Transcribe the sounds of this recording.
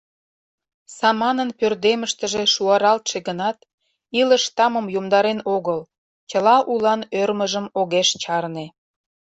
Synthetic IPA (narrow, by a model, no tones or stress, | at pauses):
sɑmɑnənpørd̪eməʃt̪əʒeʃuɑɾɑlt̪ʃeɡənɑt̪ | iləʃt̪ɑməmjomd̪ɑɾenoɣəl | t͡ɕəlɑʔulɑnørməʒəmoɣeʃt͡ɕɑrne